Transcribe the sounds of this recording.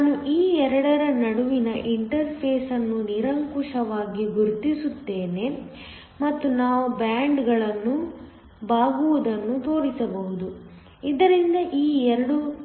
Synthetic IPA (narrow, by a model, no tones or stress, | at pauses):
naaːnuʔiːɛɾɐɽɐɾɐnɐɽuʋinɐʔiɳʈɐɾpʰeːsɐnːuniɾɐŋkuʂɐʋaːɡiɡuɾt̪isut̪ːe̞ːne̞ | mɐt̪ːunaːʋubaːɳɖɡɐɭɐnːu | baːɡuʋud̪ɐnːut̪o̞ːɾisɐbɐɦud̪u | id̪ɐɾind̪ɐʔiːɛɾɐɽu